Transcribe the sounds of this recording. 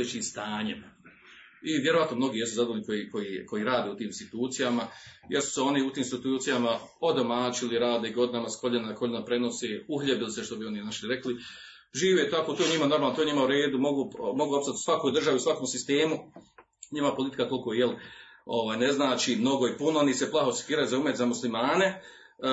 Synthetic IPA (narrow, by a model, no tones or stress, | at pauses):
et͡ɕiːmst̪aːɲḛm | iʋʲje̞ɾoʋat̪nomno̞ɡiːje̞suzad̪oniko̞jiko̞jiko̞jiːɾaːd̪eut̪iːminst̪it̪uːt̪sijamajeɾsu̥seo̞niut̪iːmst̪it̪uːt̪sijamao̞d̪o̞maːt͡ʃiliɾaːd̪eiɡo̞d̪inamasko̞ʎenakʰo̞ʎinapɾe̞no̞seːuxʎʲebiliseʃt̪o̞bio̞ninaʃliɾe̞kli | ʒiːʋet̪akot̪oɲimano̞ɾmaːlnot̪oɲimauɾe̞ːd̪umo̞ɡumo̞ɡuopsat̪sʋakojd̪r̩ʒaʋiusʋakoːmsist̪e̞ːmu | ɲimapo̞lit̪i̥kat̪o̞lˠko̞jelo̞ʋaːjne̞znaːt͡ʃiːmno̞ɡo̞ipunooniseplˠaɦosi̥k̪iːɾajuzaumet̪zamuslimaːne̞